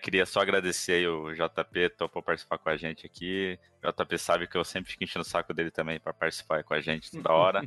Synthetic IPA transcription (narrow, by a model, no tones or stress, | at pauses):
kɪɾiɐsɔaɡɾad̪eseaiʊʒɔt̪apet̪opopaɾt͡ʃisi̥paɾkõaʒẽnt͡ʃɪakʰi | ʒɔ̰t̪apesabɪkɪewsẽpɾɪfikẽʃẽnʊsakʊd̪elɪt̪ɐ̃mbẽj̃pɾɐpaɾt͡ʃi̥si̥paikõaʒẽt͡ʃɪ̥t̪od̪ɐɔɾɐ